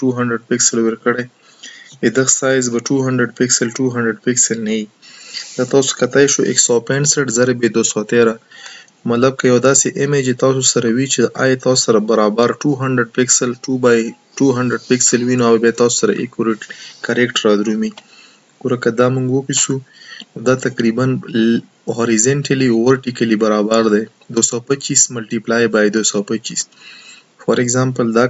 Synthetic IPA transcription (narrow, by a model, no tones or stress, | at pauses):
ʈuɦaɳɖɾɪɖ̚pɪksɪlwɪɾkəɽe | ɪd̪əxsɑjzbaʈuɦaɳɖɾɪɖpɪksɪlʈuɦaɳɖɾɪɖpɪksɪlnaji | d̪̥ɑt̪ɑso̥kat̪ajʃoʔḛksɑpeɳseʈzaɾebed̪osɑt̪eɾa | mat̪lab̚kajawd̪ɑseʔɪmed͡ʒet̪ɑsosaɾawit͡ʃeʔa̰jɑt̪ɑsosaɾabaɾɑbaɾʈuɦaɳɖɾɪɖ̚pɪksɪlʈubaj | ʈuɦaɳɖɾeɖ̚pɪksəlwinoawabjat̪ɑso̥saɾa̰ʔḛkoɾeʈkaɾekʈɾɑd̪ɾumi | ɡ̥uɾakad̪ɑmuŋɡwʊpisunod̪at̪akɾiban | ɦoɾizeɳʈaliwoɾʈikalibaɾɑbaɾd̪aj | d̪osowpat͡ʃismalʈiplajbajd̪osawpat͡ʃis | fɔɾeɡzampəld̪ɑ